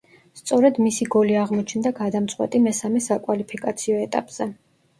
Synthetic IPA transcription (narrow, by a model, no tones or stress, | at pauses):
st̪sʼɔɾɛd̪misiɡɔliaʁmɔt͡ʃʰnd̪aɡad̪amt̪sʼwɛ̰t̪ʼimɛsamɛsakʼwalipʰikʼat̪sʰiɔɛt̪ʼa̰pʼz̥ɛ